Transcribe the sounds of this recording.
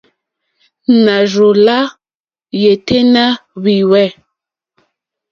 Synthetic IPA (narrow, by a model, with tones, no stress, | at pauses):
na˨ʒo˨la˦ | je˨te˦na˦βi˨wɛ˦˨